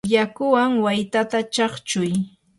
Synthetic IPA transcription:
jakʊwaŋwajt̪at̪at͡ʃɑχt͡ʃʊj

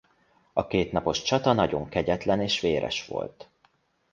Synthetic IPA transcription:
ɒkeːt̪nɒpo̞ʃt͡ʃɒt̪ɒnɒɟo̞ŋkɛɟɛt̪lɛneːʃʋeːɾʔɛ̰ʃʋo̞̰lt̪

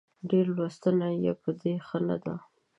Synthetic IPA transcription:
ɖeɾlwast̪ənajepəd̪exəna̰d̪a

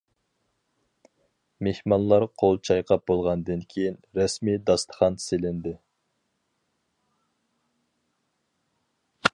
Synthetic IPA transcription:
mehmɑnlˠɑɾqʰolˠt͡ʃʰɑjqʰɑp̚bolˠʁɑnd̪ɨnkʲʰejinɾɛsmid̪ɑst̪ʰə̥χɑnselɪnd̪ɪ

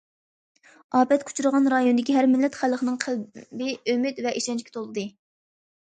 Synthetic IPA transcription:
ɑːpɛt̪kʰu̥t͡ʃʰuɾəʁɑnɾɑjonɨd̪ɪkʲiɦæɾmɪlːɛt̪χæləχnɨŋqʰəlbɪømɪt̪vɛʔiʃɛnt͡ʃkʲi̥t̪ʰolˠɨd̪ɨ

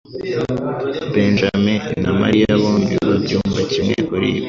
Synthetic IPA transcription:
beːnʒamenama̰ɾijaβo̞ːmbiβabjuːmbacimŋḛkoɾḭβe

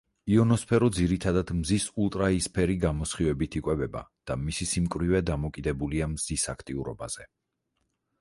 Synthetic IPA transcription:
iɔnɔspʰɛɾɔd̪ziɾit̪ʰad̪ad̪̥mzisulˠt̪ʼɾaispʰɛɾiɡamɔsχivɛbit̪ʰikʼwɛbɛba̰d̪̥amisisimkʼɾivɛd̪amɔkʼid̪ɛbuliamzisakʰt̪ʼiuɾɔbaz̥ɛ

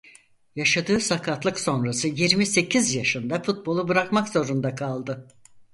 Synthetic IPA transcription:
jaʃad̪ɯːsakʰat̪lˠɯkso̞nɾasɯjiɾmise̞cʰizjaʃɯnd̪afut̪̚bo̞lˠubɯɾakmakz̥o̞ɾund̪akʰalˠd̪ɯ

